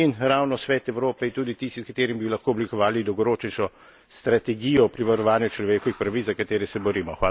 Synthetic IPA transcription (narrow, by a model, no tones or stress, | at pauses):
inɾaːwnɔsʋɛːt̪ɛwɾoːpɛint̪uːd̪it̪ist̪iskat̪eːɾimbilɐxkoːɔblikɔʋaːlid̪ɔwɡɔɾoːt͡ʃnɛʃɔ | st̪ɾat̪ɛɡijɔpɾiʋaɾɔʋaːnjut͡ʃlɔʋeːkɔʋixpɾɐʋit͡s̪zɐkat̪eːɾɛsɛbɔɾiːmɔxʋaː